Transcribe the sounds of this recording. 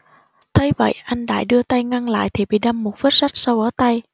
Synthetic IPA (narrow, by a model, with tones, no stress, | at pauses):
t̪ʰə˧jvə̰˧˨jʔa˧jŋ̟ɗa̰ː˧˩jɗɨ˧ət̪a˧jŋa˧ŋla̰ː˧˨jt̪ʰi˨˩ɓḭ˧˨ɗa˧mːo˨˩t̚fə˦˥t̚sa˦˥k̚sa˧wʔəː˧˩˦t̪a˧j